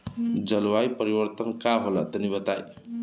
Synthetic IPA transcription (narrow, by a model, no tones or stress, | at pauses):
d͡ʒʌlwajpəɾibəɾt̪ənkaɦolʌ̰t̪ənibʌt̪aj